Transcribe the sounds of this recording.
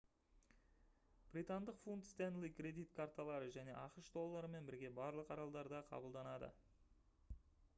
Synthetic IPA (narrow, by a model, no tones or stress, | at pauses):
b̥ɾit̪and̪əqfunt̪st̪enlˠijkɾʲe̞d̪ijt̪kʰaɾt̪alˠɑɾəʒæne̞̰ʔɑqəʃd̪o̞lˠːɑɾəme̞nbɪɾɡʲe̞bɑɾlˠəqɑɾɑlˠd̪ɑɾd̪ɑqʰɑ̰bəlˠd̪ɑnɑd̪ə̰